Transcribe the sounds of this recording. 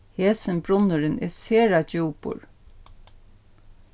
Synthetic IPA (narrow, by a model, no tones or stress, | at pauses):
heːsənbɾʊnəɹənḛːseːɹɑd͡ʒuːpʊ̰ɹ